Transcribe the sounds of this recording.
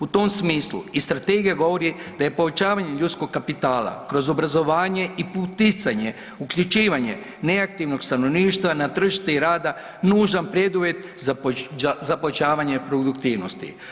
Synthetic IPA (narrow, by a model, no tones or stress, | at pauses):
ut̪o̞msmiːslˠṵist̪ɾat̪eɡijaɡo̞ʋo̞ɾid̪̥aje̞po̞ʋe̞t͡ʃaːʋaɲeʎut̪sko̞ɡkːapit̪aːlˠa̰kɾo̞zo̞bɾazo̞ʋaːɲe̞iput̪it̪saɲe̞ | ukʎut͡ʃiːʋaɲḛ | ne̞akt̪iːʋno̞ɡst̪anoʋniːʃt̪ʋanat̪r̩ʒi̥ʃt̪eiɾaːd̪a | nuːʒanpɾe̞d̪uʋje̞t̪zazapoet͡ʃaːʋaɲe̞pɾo̞d̪ukt̪iːʋnost̪ḭ